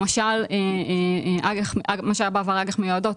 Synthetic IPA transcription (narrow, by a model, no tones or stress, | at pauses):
maʃale | ʔaɡeχamaʃaabaːvaʁaɡeχmejuadot